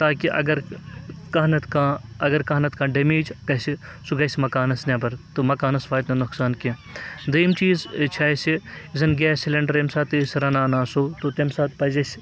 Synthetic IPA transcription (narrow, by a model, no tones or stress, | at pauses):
t̪aːkiʔɐ̰ɡɐɾkɐɦnɐt̪kãːɐɡɐɾkɐnɐt̪kãːɖɐmeːd͡ʒɡɐsi | suɡɐsʲimɐkaːnɐsnʲɐbɐɾt̪omɐkaːnɐsʋaːjt̪nɐnuksaːnkĩ | d̪ɐjmt͡ʃiːzt͡ʃʰɐːjsiizɐnɡɛːsilɐɳɖɐɾemsaːt̪isɾɐnaːnaːsoːt̪ot̪emsaːt̪pɐzɐsʲ